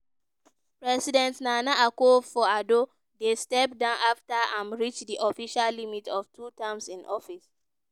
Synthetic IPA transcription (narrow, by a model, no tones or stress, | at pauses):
pɹɛsidɛ̃ntnanaʔakofɔado | destɛp̚dãʊ̃naftaãnɹit͡ʃdiʔɔfiʃallimitʰɔftʰutãmsĩnʔɔfis